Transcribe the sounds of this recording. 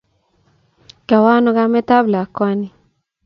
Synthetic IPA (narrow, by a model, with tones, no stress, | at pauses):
ka˨wa˦nɔ˦ɡa˦mɛ˦ta˦bla˨kwa˦ni˨